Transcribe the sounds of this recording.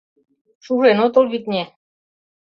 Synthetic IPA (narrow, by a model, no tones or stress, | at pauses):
ʃuʒenot̪ŏlβit̪nʲe